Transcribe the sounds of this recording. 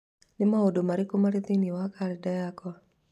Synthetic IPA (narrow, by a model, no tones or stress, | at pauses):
nɪmaodomaɾikɔmaɾit̪iniwakaɾɛdajakɔ